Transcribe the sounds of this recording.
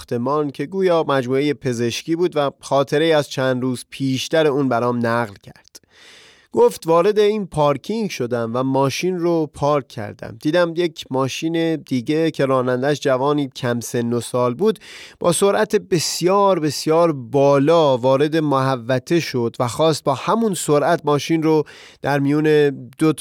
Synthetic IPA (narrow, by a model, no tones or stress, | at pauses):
t̪ʰe̞mɒːncʰe̞ɡuːjɒːmæd͡ʒmuːeje̞pʰe̞ze̞ʃciːbuːd̪væxɒːt̪ʰe̞ɾeiːæzt͡ʃʰæːnd̪ɾuːz̥pʰiːʃt̪æɾe̞uːnbæɾɒːmnæɣlcʰæɾd̪̥ | ɡ̥oft̪vɒːɾe̞d̪e̞iːnpʰɒɾkʰiŋɟʃo̞d̪æmvæmɒːʃiːnropʰɒːɾkʰːæ̰ɾd̪æ̰md̪iːd̪æmjecʰmɒːʃiːne̞d̪iːɟecʰe̞ɾɒːnænd̪æʃd͡ʒævɒːniːcʰæmse̞nːosɒːlbuːd̪b̥ɒ̰ːso̞ɾʔæt̪ʰebe̞sijɒːɾbe̞sjɒːɾbɒːlɒːvɒːɾe̞d̪e̞moɦævːæt̪ʰe̞ʃo̞d̪væxɒːst̪̚bɒːhæmunsoɾʔæt̪ʰmɒːʃiːnro | d̪̥æɾmijuːne̞d̪̥o